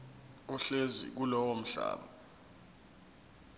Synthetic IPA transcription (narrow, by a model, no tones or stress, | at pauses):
uɬezḭk̬ulɔwom̩ɬa̰ːɓa